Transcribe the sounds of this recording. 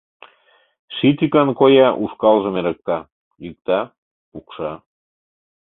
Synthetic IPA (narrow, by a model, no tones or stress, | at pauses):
ʃit̪ʲikɑnkojɑʔuʃkɑlʒə̆meɾə̆k̚t̪ɑ | jyk̚t̪ɑ | pukʃɑ